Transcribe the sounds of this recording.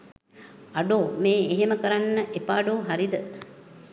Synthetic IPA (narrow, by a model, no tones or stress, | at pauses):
aɖoːmeːeɦeməkəɾanːəʔepaːɖoːɦaɾid̪ə